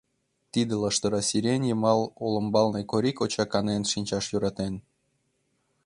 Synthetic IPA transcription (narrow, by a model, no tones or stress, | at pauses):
t̪id̪elɑʃt̪ɤ̆ɾɑsʲiɾʲenʲjəmɑlˠolɤ̆mbɑlnekoɾʲikot͡ɕɑkɑnenʃinʲt͡ɕɑʃjuɾɑt̪en